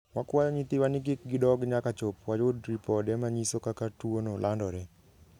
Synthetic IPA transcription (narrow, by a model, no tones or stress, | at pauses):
wakwajɔɲit̪ɪwanɪk̬ɪk̚ɡɪdɔɡɲakat͡ʃopwad͡ʒʊdɾipɔdɛmaɲisokakatwonolʔandɔɾɛ